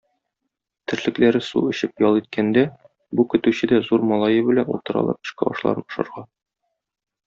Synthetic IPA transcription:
t̪ɘ̆ɾlɘ̆klæɾɘsṵɵ̆ɕɘpjɒlˠit̪̚kʰænd̪æ | bukɵ̆t̪ʉɕɘd̪æzuɾmɒlˠɑjɤbɘ̆lænṵlˠt̪ɤ̆ɾɑ̰lˠɤ̰p̚t̪ɤ̆ɕʃkɑɒ̰ʃlˠɑ̰ɾɤnŏʃɤ̰̆ɾʁɑ

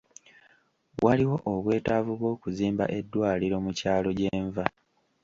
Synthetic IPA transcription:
wʔaliwo̞ʔoβwe̞ːtavuβwo̞ːkuziːmba̰ʔe̞dːwaːliɾo̞mucaːlo̞ɟe̞ːɱva

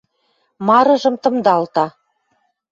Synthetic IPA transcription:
mɑɾɤ̆ʒɤ̆mt̪ɤ̆md̪ɑlt̪ɑ

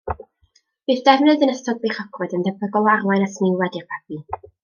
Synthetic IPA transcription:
b̥ɨːθd̥ɛvnɨdənəstɔd̚beːχɔkʰɔdəndɛbəɡɔwarwajnasnɪwɛdirpʰḁpʰi

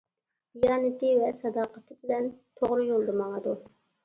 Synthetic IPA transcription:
b̥ijɑːnɨt̪ɪvɛsɑd̪ɑːqət̪ʰɨbɪlɛnt̪ʰoʁɾɨjolˠd̪ɨmɑŋəd̪u

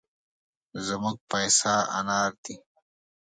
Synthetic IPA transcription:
zəmuɡ̚pɐjsaːʔɐ̰naːɾt̪i

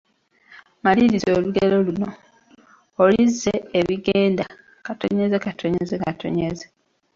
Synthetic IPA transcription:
maliɾizoːluɡeɾo̞luno̞ː | lizːeːβiɡeːnda | kato̞̰ɲezekatʰoɲezekatʰo̞̰ɲeze

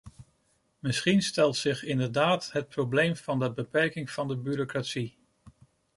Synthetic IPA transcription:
mɪsχinstɛlˠtsɪχɪndəɹdaːtɦət̚prowblejmv̥ɑndəbəpɛɹkɪŋv̥ɑndəbyɾokratsi

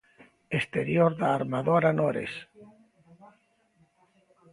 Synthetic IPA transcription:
est̪eɾjoɾðaːɾmaðoɾanoɾḛs

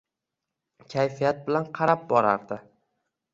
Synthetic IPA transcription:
kʲʰajfijat̪̚bɪlanqʰɑɾap̚bɒɾa̰ɾd̪ɪ

